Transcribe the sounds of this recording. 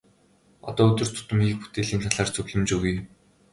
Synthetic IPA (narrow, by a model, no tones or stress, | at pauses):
ɔ̰t̪ɔːɵt̪ɵ̆r̥t̪ʰʊ̥t̪ə̆mɡiːk̚pu̥t̪eːɮiːnt̪ʰaɮaːrt͡sʰɵɣɮɵ̆mt͡ɕɵɣuj